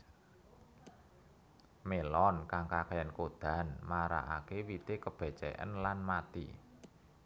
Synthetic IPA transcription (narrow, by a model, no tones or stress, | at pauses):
melɔnkaŋkakajənkod̪̥a̤nmaɾa̰ʔa̰kewit̪ekəb̥ɛ̤t͡ʃɛ̰ʔə̰nlanmat̪ḭ